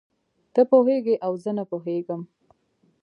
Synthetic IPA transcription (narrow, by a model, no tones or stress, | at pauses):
t̪əpoɦeɡeʔawzənapoɦeɡəm